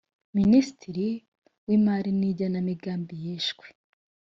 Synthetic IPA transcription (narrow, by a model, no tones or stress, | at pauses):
minisi̥tiɾi | wimaːɾiniɟanamiɡaːmbijeːʃɡwe̥